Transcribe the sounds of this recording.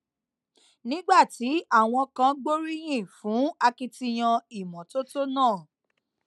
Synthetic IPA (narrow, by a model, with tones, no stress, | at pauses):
nĩ˦ɡ͡ba˦˨ti˨˦a˦˨w̃ɔ̃˧kã˧ɡ͡bo˦ɾi˦j̃ĩ˦˨fũ˨˦a˧ki˧ti˧j̃ã˧i˨mɔ̃˨to˦to˦nãː˦˨